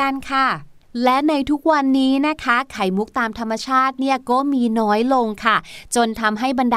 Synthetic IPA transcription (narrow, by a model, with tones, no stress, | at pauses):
a˧nkʰa˥˩ | lɛ˦˥na˧jt̪ʰu˦˥k̚wa˧nːiː˦˥na˦˥kʰa˦˥kʰa˩˦jmu˦˥k̚t̪aː˧mt̪ʰa˧mːa˧t͡ɕʰaː˥˩t̪̚ni˥˩ɐkɔː˥˩miː˧nɔː˦˥jlo˧ŋkʰa˥˩t͡ɕo˧nt̪ʰa˧mɦa˥˩jba˧ndaː˧